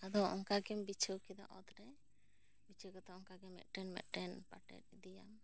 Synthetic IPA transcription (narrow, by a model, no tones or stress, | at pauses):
ad̪ɔɔŋkaɡɛmbit͡ʃʰəkid̪a̰ʔɔt̪ɾɛ | bit͡ʃʰəkɔt̪aɔŋkaɡɛmɛ̰t̪̚ˀʈɛnmɛ̰t̪̚ʈɛnpaʈɛ̰t̚d̪ija̰m